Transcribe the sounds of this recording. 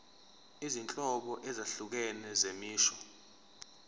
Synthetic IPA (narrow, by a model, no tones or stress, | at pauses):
izint͡ɬʼɔɓɔʔɛzaɬuk̬ɛnɛzemiːʃɔ